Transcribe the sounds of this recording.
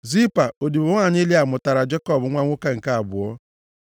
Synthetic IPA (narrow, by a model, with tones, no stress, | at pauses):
zi˦pa˨o˨di˨bʊ˦ŋa˨ɲɪ˦li˦a˨mʊ˨ta˨ɾa˨d͡ʒe˦kɔ˦bʊ˨˦ŋʷa˦ŋʷʊ˦ka˦ŋ̩˨ka˦a˨bʊ̰˨ɔ˦